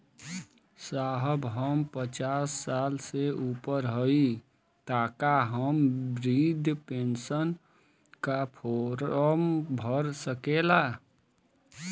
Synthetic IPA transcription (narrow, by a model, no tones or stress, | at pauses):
saɦəbɦəmpət͡ʃasːalseʔupəɾɦəi | t̪aːkaɦəmbɾid̪ʱpensən | kapʰoɾəmbʱəɾsəkela